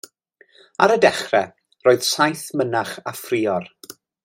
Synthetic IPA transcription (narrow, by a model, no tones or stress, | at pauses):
aɾədɛχrɛ | roːɨð̥sajθmənaχafriːɔr